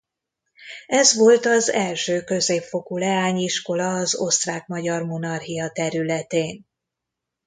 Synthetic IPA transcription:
ɛzʋo̞lt̪ɒzɛlʃøːkø̞zeːpfo̞kulɛaːɲiʃko̞lɒːzo̞st̪raːkmɒɟɒrmo̞nɒrhijɒt̪ɛɾylɛt̪eːn

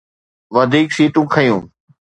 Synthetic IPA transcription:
ʋɐd̪ʱiːksiːʈũːkʰɐjũː

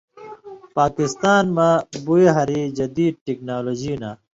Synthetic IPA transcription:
paːkist̪aːnmɐbueɦɐɾid͡ʑɐd̪iːd̪̚ʈiknaːloːd͡ʑiːna

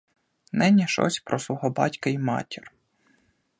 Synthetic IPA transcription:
nɛnʲɛʃɔ̰sʲpɾɔsˠuɦɔbɑ̰tʲkɐimɑ̰tʲir

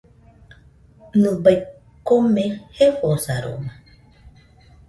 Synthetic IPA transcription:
nɨ̃baj | komẽhefosaɾo̰mã

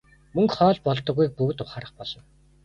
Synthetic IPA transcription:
mɵŋkχɔːɮpɔɮt̪ɞ̆ɣujk̚puɣt̪ʊχaːɾə̆χpɔɮɞ̆w

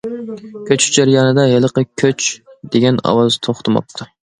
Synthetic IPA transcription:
kʲʰøt͡ʃd͡ʒæɾjɑːnɨd̪ɑjelˠəqəkʲʰøt͡ʃd̪eɡʲɛnɑ̰wɑzt̪ʰoχt̪ʰɨmɑ̰p̚t̪ʰu

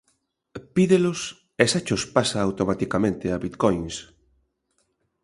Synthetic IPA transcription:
piðelʊs | esat͡ʃospasaːwt̪omat̪ikamẽnt̪eaβit̪kojŋs

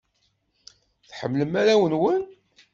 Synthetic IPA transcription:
θħəmːləmæɾæwənwən

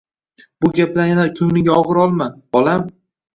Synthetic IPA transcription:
bʊɡʲaplanjanakʲʰʊmnɪɡʲaɒʁɨɾɒlˠmab̥ɒlˠam

